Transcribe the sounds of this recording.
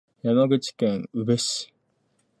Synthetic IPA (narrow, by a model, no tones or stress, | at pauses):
jamaɡɯ̟t͡ɕi̥kẽŋɯbeɕi̥